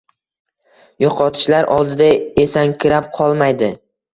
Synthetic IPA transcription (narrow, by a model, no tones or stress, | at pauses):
joqʰɒt̪ʰɪ̥ʃlaɾʔɒ̰lˠd̪ɪd̪ae̞saŋkʲʰɪɾap̚qʰɒlˠmajd̪ɪ